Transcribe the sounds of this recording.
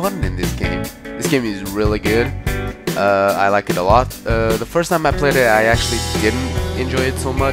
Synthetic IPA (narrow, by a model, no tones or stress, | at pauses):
wʌdⁿn̩tɨ̃nðɪsɡ̥ẽɪ̃mðɪsɡ̥ẽɪ̃mɨzɹɪlˠiɡʊd̥ʔʌa̰ɪlaɪkɨɾəlɔt̚ʌðəfɜ˞stʰãɪ̃maɪpʰl̥eɪɾɨtaɪæk̚t͡ʃʉl̩ˠidɪdⁿn̩tɨ̃nd͡ʒɔɪɨdsoʊmʌ